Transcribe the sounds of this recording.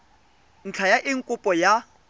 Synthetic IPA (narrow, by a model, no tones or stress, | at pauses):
ŋ̩t͡ɬʰajaʔɪŋ̩kʼʊpʼɔja